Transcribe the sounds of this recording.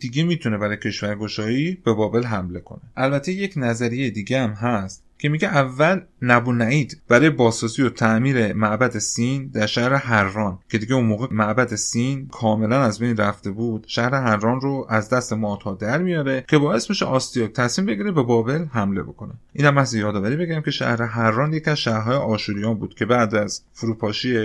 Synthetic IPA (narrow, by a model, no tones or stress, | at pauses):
d̪̥iɡemiːt̪ʰune̞bæɾɒːjecʰe̞ʃvæɾɡo̞ʃɒːiːb̥e̞bɒːbe̞lɦæmle̞kʰo̞̰ne̞ʔælbæt̪ʰe̞je̞cʰnæzæɾijejed̪iːɡeæmɦæst̪cʲʰe̞miɟeʔævːælnæbunæʔiːd̪b̥æɾɒːjebɒːzɒːzijot̪ʰæʔmiːɾe̞mæʔbæd̪esind̪æɾʃæhɾe̞hæɾːɒːncʲʰe̞d̪iːɡeunmoːɣemæʔbæd̪esinkʰɒːme̞lænæzbe̞jnræft̪e̞buːd̪̥ʃæhɾe̞ɦæɾːɒːnroʔæzd̪æst̪e̞mɒːht̪ʰɒːd̪æɾmijɒːɾe̞cʰe̞bɒːje̞st̪miʃḛʔɒːst̪ijɒːk̚t̪ʰæsmiːmbe̞ɡʲiɾe̞be̞bɒːbe̞lhæmle̞̰bo̞̰kʰo̞ne̞ʔiːnhæmːæhzejɒːd̪ɒːvæɾiːbe̞ɡiɾæmcʰʲe̞ʃæ̰hɾe̞ɦæɾːɒːnjecʰiæzʃæhɾɦɒːjeʔɒːʃuɾijɒːnbuːd̪̥cʰe̞bæʔd̪æzfuɾuːpʰɒːʃije